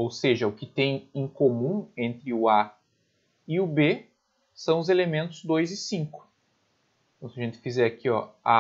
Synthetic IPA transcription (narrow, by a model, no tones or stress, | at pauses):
owseʒɐʊkɪt̪ẽj̃ẽj̃komũẽnt̪ɾɪʊa | ɪʊbe | sɐ̃w̃ʊzelemẽnt̪ʊzd̪ojzɪsĩŋkʊ̥ | t̪ɐ̃w̃sɪɐʒẽnt̪ɪ̥fizɛɾakiɔ̰a